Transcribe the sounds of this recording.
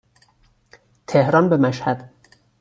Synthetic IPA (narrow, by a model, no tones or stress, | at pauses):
t̪ʰehɾɒːnbemæʃhæd̪̥